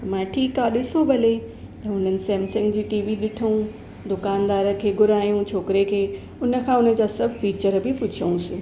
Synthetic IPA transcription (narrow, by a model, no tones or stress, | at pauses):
mãːʈʰiːkaːɗɪsobʱɐle | t̪ɐʊn̤ənɪ̆seːmsɪ̃ŋɡd͡ʑiːʈiːʋiɗɪʈʰəũ | d̪ʊkaːnd̪aːɾə̆kʰeːɡʊɾaːijũt͡ɕʰoːkɾekʰeː | ʊnə̆kʰãːʊnə̆d͡ʑaːsɐbʱfiːt͡ɕəɾbʱɪpʊt͡ɕʰiũsɪ̃